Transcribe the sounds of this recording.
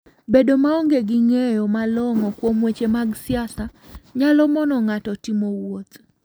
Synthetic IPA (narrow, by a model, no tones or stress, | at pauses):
bedomaoŋɡeɡɪŋejɔmalɔŋɔkwomwet͡ʃemaɡsɪasaɲalɔmɔnɔŋatɔtimowot̪